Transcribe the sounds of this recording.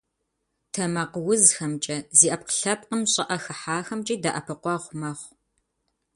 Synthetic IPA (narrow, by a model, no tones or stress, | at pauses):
tʰɐmɐqəwʊzxɐmt͡ʃʼɐziːʔɐp̚qə̥ɬɐp̚qəmɕʼɐʔɐxɐħaːxɐmt͡ʃʼiːdaʔɐpʰɨqʷɑʁʷmɐχʷ